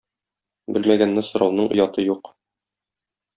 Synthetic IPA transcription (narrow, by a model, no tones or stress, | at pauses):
bɘlmæɡænːɘsŏɾɑwnɤɴʔŏjɑt̪ɤjuq